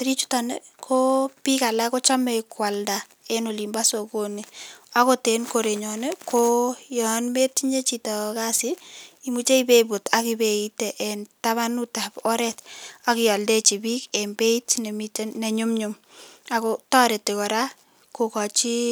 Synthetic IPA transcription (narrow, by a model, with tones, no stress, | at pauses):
tɾi˦t͡ʃu̥˦tane | kʰo˦pi˦ka˨la˦ko˦t͡ʃa˦me˨kwa˨lda | eno˨limba˦so˨konia˦ko˦te˨nkoɾe˨ɲɔ˨ne˦kʰojɔnme˦ti˦ɲe˦t͡ʃitɔ˨kasɪ˦i˦mut͡ʃe˦ibebo˨takibeiteʔɛntaβa˦nu˦tapɔ˦ɾɛta˦kɪjɔ˨ldet͡ʃi˨bikɛ˨mbe˦itne˨mitene˨ɲʊmɲʊm | a˨kotɔ˦ɾe˨tekɔ˨ɾa˦ | ko˨kɔ˨t͡ʃi˦